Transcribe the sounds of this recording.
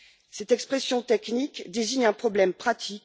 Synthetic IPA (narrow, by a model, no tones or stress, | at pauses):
sɛt̪ɛkspχɛsjɔ̃t̪ɛknikd̪eziɲɛ̃pχɔblɛmpχat̪ʰik